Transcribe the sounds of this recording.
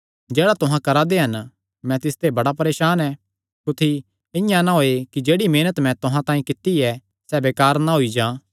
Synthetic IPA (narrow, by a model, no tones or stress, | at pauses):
d͡ʒeːɽat̪ʊɦãkɐɾad̪eɦɐn | mɛ̃t̪ɪst̪ebɐɽapɐɾeːʃaːnɛ | kʊt̪ʰi | ɪ̃jãnãɦoːekid͡ʒeːɽimeːnət̪mɛ̃t̪ʊɦãt̪ãːĩkɪt̪ːiɛ | sɛbeːkaːɾnaɦoid͡ʒãː